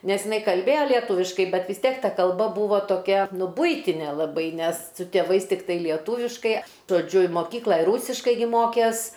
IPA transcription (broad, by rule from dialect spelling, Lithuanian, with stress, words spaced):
ˈnʲɛs jɪˈnɐɪ kɐlʲˈbʲeːjoː lʲiɛˈtuːʋʲɪʃkɐɪ ˈbʲɛt ʋʲɪs ˈtʲiɛk ˈtɐ kɐlˠˈbɐ ˈbuːʋoː toːˈkʲɛ ˈnʊ ˈbʊɪtʲɪnʲeː lˠɐˈbɐɪ nʲɛs sʊ tʲeːˈʋɐɪs tʲɪkˈtɐɪ lʲiɛˈtuːʋʲɪʃkɐɪ ʒoːˈd͡ʒʲʊ ɪ moːˈkʲiːklˠɐ ɪ ˈruːsʲɪʃkɐɪ ɡʲɪ ˈmoːkʲeːs